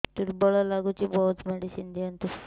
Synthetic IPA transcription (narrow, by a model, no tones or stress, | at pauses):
t̪uɾbɔɭalaɡut͡ʃibɔut̪mɛɖisind̪iant̪uɾ